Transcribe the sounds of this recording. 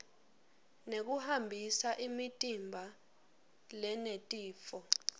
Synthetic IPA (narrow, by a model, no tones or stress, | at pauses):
nek̬uhambʱisaʔimitʼimbʱa | lɛnetʼiːfɔ